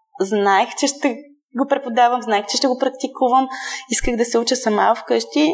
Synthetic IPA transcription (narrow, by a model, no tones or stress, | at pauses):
znaɛxt͡ʃɛʃt̪ɛ | ɡopɾɛpod̪avɐmznaɛxt͡ʃɛʃt̪ɛɡopɾɐk̚t̪ikuvəmiskəɣd̪ɐsɛut͡ʃəsɐmafkɤʃt̪i